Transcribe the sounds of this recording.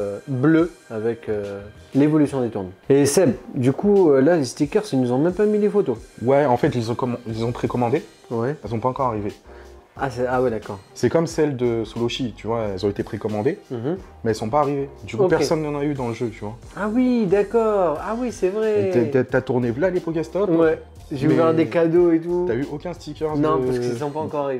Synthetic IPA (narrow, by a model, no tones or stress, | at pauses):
bløavɛkølevɔlysjɔ̃d̪et̪uʁnesɛbd̪ykuølalest̪ikʲœʁsinuzɔ̃mɛmpamilefot̪owɛɑ̃fɛt̪ilezɔ̃kɔm̃ɛlezɔ̃pχekɔmɑ̃d̪e | wɛɛlzɔ̃paɑ̃kɔʁaʁive | asɛawɛd̪akɔʁsɛkɔmsɛld̪əsoloʃit̪yvwaɛɛlzɔ̃et̪epχekɔmɑ̃d̪emɛɛlsɔ̃paːʁived̪ykuokpɛʁssɔnːɑ̃nayd̪ɑ̃ləʒøt̪yvwa | awid̪akɔʁawisɛvʁɛat̪yat̪uʁnevlalepɔkɛst̪ɔt̪wɛ | ʒeuɛvɛʁd̪ekad̪oet̪ut̪yayʔokʲɛ̃st̪ikʲœʁnd̪nɔ̃pasɛsɔ̃paɑ̃kɔʁaʁive